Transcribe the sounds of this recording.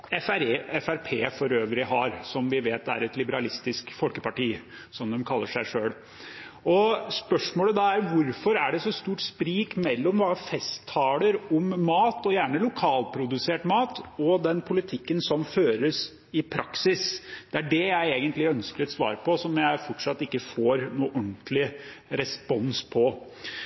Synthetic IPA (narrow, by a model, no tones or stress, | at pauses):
ɛfæɾeːɛfæɾpʰeːfɔɾøːʋɾɪhɑɾsɔmʋɪʋeːt̪æ̰ɾɛt̪lɪbəɾɑlɪst̪ɪskfɔlkəpɑʈiːsɔmd̪ɛmkʰɑlːəʂæɪʂøːl | ɔspœʂmoːləd̪ɑæɾʋʊɾfɔɾæɖɛsɔst̪uːʈspɾiːkmɛlːɔmʋɑfɛst̪ʰːɑːləɾɔmːɑːt̪ɔjæːɳəlʊkʰɑːlpʰɾʊd̪ʉseːʈmɑːt̪ɔd̪ɛnpʰʊlɪt̪ʰɪkːənsɔmføːɾəs | ɪpʰɾɑksɪsd̪̥ɛæɖɛjæɪeːɡənt̪lɪœnskəɾɛt̪sʋɑ̰ːɾpʰɔsɔmjæɪfɔʈʂɑt̪ːɪkːəfoːɾnuːʔɔnt̪lɪɾɛspɔnspʰɔ